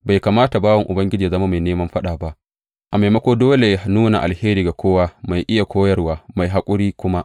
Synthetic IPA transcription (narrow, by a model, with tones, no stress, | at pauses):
ba˨jkaː˨maː˦ta˨baː˦wɐ˨ŋʔʊ˨bɐ˦ŋɡʲɪ˦d͡ʒiː˨zɐ˦ma˦ma˨jneː˦mɐ˦mɸɐ˦ɗaː˨ba˦ʔ | ʔa˨ma˨mɐ˦kʷoː˦doː˦le˨ja˨nuː˦na̰˨ʔa̰˨lheː˦ɾiː˨ɡa˨kʷʰoː˦waː˦ma˨jʔɪ˦ja˨kʷʰoː˦jɐ˦rwaː˨ma˨jɦa˦kʷʼʊ˦ɽiː˦kʷʊ˦ma˦ʔ